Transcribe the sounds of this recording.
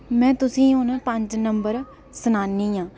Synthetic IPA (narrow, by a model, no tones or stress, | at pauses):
mɛ̃ːt̪ʊsĩːʊnpəɲd͡ʒnəmbəɾ | sənaːnĩːãː